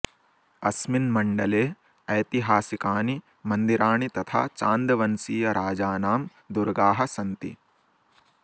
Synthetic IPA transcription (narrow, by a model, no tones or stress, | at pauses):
ɐsminmɐɳɖɐleː | ɐjt̪iɦaːsikaːni | mɐnd̪iɾaːɳit̪ɐt̪ʰa̰ːt͡ʃaːnd̪ɐʋɐnsiːjɐɾʔaːd͡ʒaːnaːm | d̪uɾɡaːɦɐsɐnt̪ḭ